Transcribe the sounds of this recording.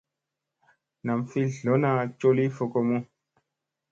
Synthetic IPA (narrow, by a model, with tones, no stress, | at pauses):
na˨mfi˦lɬo˨˦na˧t͡ʃo˦li˦fo˧ko˧mu˦